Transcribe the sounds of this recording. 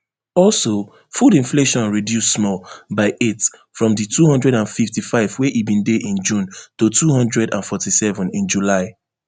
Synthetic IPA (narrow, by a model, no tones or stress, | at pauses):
ɔlso | fudĩnfleʃɔ̃nɹidjusːmɔlbaɪʔetfɹɔ̃mditʰuhɔ̃ndɹɛɾãnfiftifaɪvweʔibĩndeʔĩnd͡ʒũntotuhɔ̃ndɹɛdãnfɔtisɛvɔ̃nĩnd͡ʒulaɪ